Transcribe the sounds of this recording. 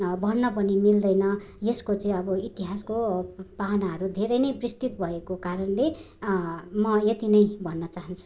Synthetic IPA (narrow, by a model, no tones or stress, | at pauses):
bʱʌnːʌpʌnimild̪ʌjnʌjeskot͡sʌĩʌbʌit̪iɦaskopanaɦʌɾud̪ʱeɾʌjnʌjbrist̪it̪̚bʱʌekokaɾʌnle | mʌjet̪inʌjbʱʌnːʌt͡saɦʌnt͡sʰu̥